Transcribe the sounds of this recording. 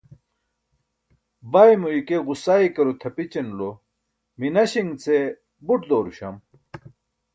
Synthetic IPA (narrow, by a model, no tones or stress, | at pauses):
bajmuikeɣusaːikɐɾut̪ʰɐpit͡ɕenlo | minɐɕiŋɡt͡se | buʈd̪oːɾuɕɐm